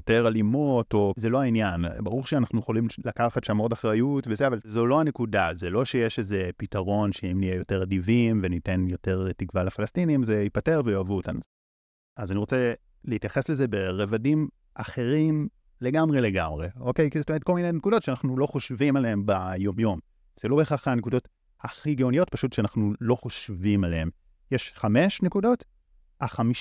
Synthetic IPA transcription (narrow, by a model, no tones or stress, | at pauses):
joteʁalimuto̞zelo̞ainjanbaʁuʁʃeanaχnujeχolimlakafatʃamo̞daχʁajutvezeavalzo̞lo̞anekudazelo̞ʃejeʃeze̞pitaʁo̞nʃeimnijejo̞te̞ʁadivimvenitenjo̞te̞ʁtikvalafalastinimzeipate̞ʁvejoavuota̰n | azaniʁo̞t͡se | leitjaχe̞sle̞zebe̞ʁevadim | ʔaχe̞ʁim | leɡamʁe̞le̞ɡamʁeokejkizetomeetko̞lminenekudo̞tʃeanaχnulo̞χo̞ʃvimalehembajo̞mjo̞m | z̥elo̞beχaχanekudo̞t | haχiɡeonijo̞t̚paʃutʃeanaχnulo̞χo̞ʃvimaleem | jeʃχame̞ʃnekudo̞t | aχami